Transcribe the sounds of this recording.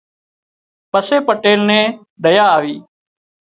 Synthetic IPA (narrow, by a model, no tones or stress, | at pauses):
pəseːpəʈeːlnẽː | ɗəjaːʋiː